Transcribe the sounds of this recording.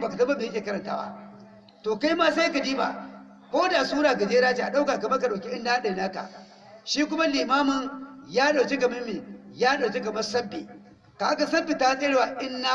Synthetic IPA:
baː˨ka˨tɐ˦ba˦beː˨jkʲeː˨kɐ˦ɾɐ˨nta̰ː˦ba̰˦ | toː˨ka˦jmaː˦sa˦ka˨diː˦ba̰˨ | kʷoː˦da˨suː˦ɽaː˨ka˨d͡ʒeː˦ɾaː˦t͡ʃe˨ʔa˨ɗa˦wkaː˨kɐ˨mɐ˦ka˨ɗa˨wkʲi˦ʔɪ˦nːda˦ɗa˨jnaː˦ka̰˨ | ʃiː˦k̬ʷʊ˦ma˦liː˨maː˦mʊ˨njaː˦ɗa˨kʲe˦kɐ˨mɪ˦mːi˨jaː˦ɗa˨t͡ʃe˦ɡɐ˨mɐ˦sɐ˦bḭ˨ | ka˨ha˦ka˨sɐ˦bi˨ta˨a˦sʼe˦ɽwa˨ʔɪ˦nːa˦

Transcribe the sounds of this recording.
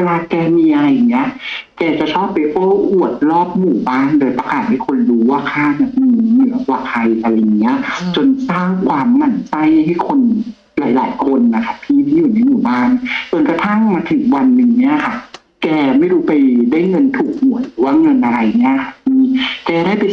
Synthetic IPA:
weː˧laː˧kɛː˧miː˧ʔa˧ɾa˧jŋni˦˥ɐʔkɛː˧t͡ɕa˨˩t͡ɕʰɔː˥˩pːe˧ʔoː˥˩ʔu˨˩ət̪̚ɾɔː˥˩p̚muː˨˩˦baː˥˩ndoː˧jpa˧kaː˨˩t̪̚ha˥˩jkʰo˧nɾuː˦˥waː˥˩kʰaː˥˩na˧˩nɯ˧˩nɯ˨˩˦ɐ˦waː˧˩kʰa˧jʔa˧ɾa˧ja˨˩ŋːi˦˥ɐʔt͡ɕo˧nsaː˥˩ŋkʰwaː˧mːa˨˩nsa˥˩jha˥jɦa˥˩jkʰo˧n | la̰ː˩˦jla̰ː˩˦jkʰo˧nːa˧˩kʰa˦˥˩pʰiː˥˩t̪ʰiː˥˩juː˨˩na˧jmuː˨˩baː˥˩nt͡ɕo˧nkɾa˧t̪ʰa˥˩ŋmaː˧t̪ʰɯ˨˩˦ŋwa˧nːɯ˨˧˩ŋni˦˥ɐkʰa˥˩ | kɛː˧ma˥˩jɾuː˦˥pa˧jdaː˥˩jŋɤ˧nt̪ʰuː˨˩k̚mu˨˩˦t̪̚ɾɯː˩˦waː˥˩ŋɤ˧nʔa˧ɾa˧jni˦˥˩ɐkʰa˦˥˩miː˧kɛː˧daː˥˩pe˧

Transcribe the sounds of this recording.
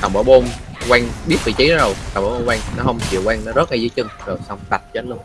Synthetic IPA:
t̪a˨˩ŋ͡mɓa̰ː˧˩ɓo˧nkwaː˧ŋɓi˦˥ət̚fʰḭ˧˨t͡ɕi˨˦n˨˦zo˨˩jt̪a˨˩wŋ͡maː˨˧˦ɓo˧waː˧ŋnɔ˨˦ɦə˧wŋ͡mt͡ɕḭ˧˨wkwaː˧ŋnɔ˨˦zə˦˥t̚la˨˧˩zɨ˨˦jt͡ɕɨ˧ŋzo˨˩jsa˧wŋ͡mt̪a˨˩t̚t͡ɕəː˨˦t̚lɨ˧n

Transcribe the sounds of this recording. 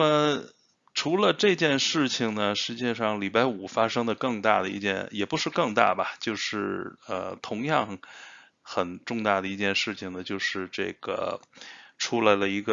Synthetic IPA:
na˥˩mə˨˩ | ʈ͡ʂʰu˧˥lə˧ʈ͡ʂɤ˥˧t͡ɕjɛ˥˧nʂɻ̩˥˩t͡ɕʰi˩ŋnə˩ʂɻ̩˧˥t͡ɕjɛ˥˧ʂɑ˥˩ŋli˨˩pa˥˩ɪu˨˩fa˥ʂɤ˥ŋd̪ə˨kɤ˥˧ŋt̪a̰˥˩d̪ə˩ḭ˧t͡ɕjɛ̰˥˩njɛ˨˩pu˧˥ʂɻ̩˥˧kɤ˥˧ŋt̪a̰˥˩bɐ˨˩t͡ɕjo˥˧ʊʂɻ̩˥˩ə̰˧t̪ʰʊ˧˥ŋjɑ˥˩ŋ | xə˨˩nʈ͡ʂʊ˥˧ŋt̪a˥˩d̪ə˩i˧˥t͡ɕjɛ˥˧nʂɻ̩˥˩t͡ɕʰi˩ŋd̪ə˩t͡ɕjo˥˧ʊʂɻ̩˥˧ʈ͡ʂḛ˥˩ɡ̥ə̰˩ | ʈ͡ʂʰu˥la˧˥ɪlə˧i˧˥ɡə˧

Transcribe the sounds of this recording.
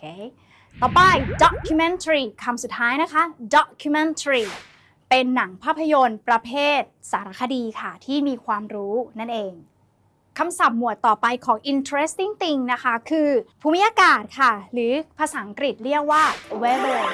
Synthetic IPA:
kʰe˦ | t̪ɔː˨˩pa˧jdɔ˨˦kʰːu˧me˧nt̪ʰɾiː˨˩kʰa˧msu˨˩t̪ʰːaː˦˥jna˦˥kʰa˦˥dɔ˨˦kkʰːu˧me˧nt̪ʰɾiː˨˩ | pe˧nːa˩˦ŋpʰaː˥˩pʰːa˧jo˧npɾa˧pʰeː˥˩t̪̚saː˩˦ɾa˦˥˩kʰa˧diː˧kʰa˥˩t̪ʰiː˥˩miː˧kʰwaː˧mɾuː˦˥na˥˩nʔeː˧ŋ | kʰa˧msa˨˩p̚mu˨˩ət̪ːɔː˨˩pa˧jkʰɔː˩˦ŋʔi˧nt̪ʰɾe˦˥st̪i˥˩ŋt̪i˧ŋna˦˥kʰa˦˥kʰɯː˧pʰuː˧mi˦˥jaː˧kaː˨˩t̪̚kʰa˥˩ɾɯː˩˦pʰa˧saː˩˦ʔa˦ŋkɾi˨˩t̪̚ɾi˥˩ək̚waː˥˩we˦˥ɾo˧˩

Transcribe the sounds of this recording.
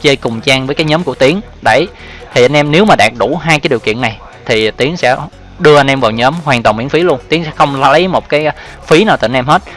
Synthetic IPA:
t͡ɕəː˧jkʊ˨˩ŋ͡mt͡ɕaː˧ŋvəː˨˦jkaː˨˦jɲəː˨˦mku˧˩ət̪i˨˦əŋ | ɗə˧˩j | t̪ʰi˨˩ʔa˧nʔɛ˧mne˨˦wmaː˨˩ɗaː˨˩k̚ɗu˧˩ɦaː˧jkaː˨˦jɗi˨˩əkḭ˧˨ənːa˨˩j | t̪ʰi˨˩t̪i˨˦əŋsɛ̰˧˥ | ɗɨ˧əʔa˧nʔɛ˧mvaː˨˩wɲəː˨˦mɦwaː˨˩ŋt̪waː˨˩nmḭ˧˥əŋfi˨˦lu˧ənt̪i˨˦əŋsɛ̰˧˥xə˧wŋ͡ma˨˦lə˨˦mo˨˩t̚kaː˨˦j | fi˨˦naː˨˩wt̪ɨ̰˨˧˨nʔɛ˧mɦe˦˥t̚

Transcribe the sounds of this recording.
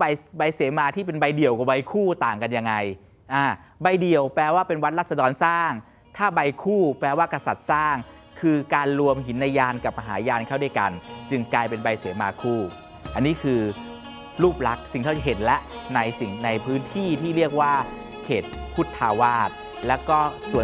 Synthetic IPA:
a˧jba˧jseː˩˦maː˧t̪ʰiː˥˩p̬e˧nba˧jdi˨˩əwkɔ˨˦ba˧jkʰuː˥˩t̪aː˨˩ŋka˧nja˧ŋːa˧j | ʔaː˧˩ | ba˧jdi˨˩əwpɛː˧waː˥˩pe˧nwa˦˥t̪̚la˥t̪̚sa˧dɔː˧nsaː˥˩ŋ | t̪ʰaː˥˩ba˧jkʰuː˥˩plɛː˧waː˥˩ka˧sa˨˩t̪̚saː˥˩ŋ | kʰɯː˧kaː˧nlu˧əmɦi˩˦nːa˧jːaː˧nka˨˩p̚ma˧ɦaː˩˦jaː˧nkʰa˥˩wda˥˩jka˧nt͡ɕɯ˧ŋklaː˧jpe˧nba˧jseː˩˦maː˧kʰuː˥˩ | ʔa˧nːiː˦˥kʰɯː˧ | luː˥˩p̚la˦˥k̚si˨˩ŋt̪ʰa˥˩t͡ɕɦe˨˩t̪̚lɛ˦˥ʔna˧jsi˨˩ŋna˧jpʰɯː˦˥nt̪ʰiː˥˩t̪ʰiː˥˩li˥˩ək̚waː˥˩ | kʰeː˨˩t̪̚pʰu˦˥t̪ʰːaː˧waː˥˩t̪̚ | lɛː˦˥wkɔː˥˩su˨˩˦

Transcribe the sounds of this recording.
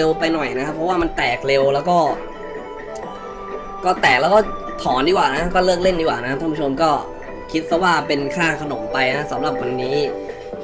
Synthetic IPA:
e˧wpa˧jnɔ˨˩jna˦˥kʰa˦˥pʰːɔ˦˥waː˥˩ma˧nt̪ɛː˨˩k̚le˧wlɛː˦˥wkɔː˥˩ | kɔː˥˩t̪ɛː˨˩k̚lɛː˦˥wkɔː˥˩ | t̪ʰɔː˩˦ndiː˧˩waː˨˩na˦˥kʰa˦˥kɔː˥˩lɤː˥˩k̚le˥˩ndiː˧˩waː˨˩na˦˥a˦˥t̪ʰːpʰːu˥˩o˧mkɔː˥˩ | kʰi˦˥t̪̚pʰɔ˦˥waː˥˩pe˧nkʰaː˥˩kʰa˧no˩˦mpa˧jna˦˥a˦˥sa˩˦mɾa˨˩p̚wa˧nːiː˦˥

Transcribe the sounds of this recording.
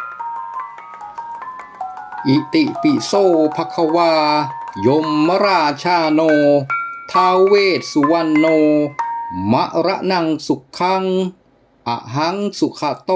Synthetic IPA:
ʔi˨˩ʔt̪i˨˩ʔpi˨soː˧˩pʰa˧kʰa˧waː˧jo˧mːa˦˥ɾaː˧t͡ɕʰaː˧noː˧t̪ʰaː˧wweː˥˩t̪̚su˧˩wa˧˨nːoː˧ | ma˦˥ʔɾa˦˥ʔna˧ŋsu˨˩kʰːa˦˥ŋ | ʔa̰˨˩ʔɦa˦˥ŋsu˨˩kʰa˧t̪o˧

